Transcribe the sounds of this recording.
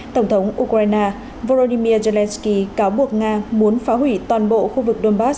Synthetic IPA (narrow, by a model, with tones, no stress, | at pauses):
t̪ə˧˩wŋ͡mt̪ʰə˨˦wŋ͡mʔu˧kɾaː˧jnaː˧ | vo˧lo˧ɗi˧mi˧əze˧lɛ˧nski˧kaː˨˦wɓu˨˩ək̚ŋaː˧mu˨˦ənfaː˨˦ɦwi˧˩t̪waː˨˩nɓo̰˧˨xu˧vɨ˨˩k̚ɗo˧nɓaː˦˥s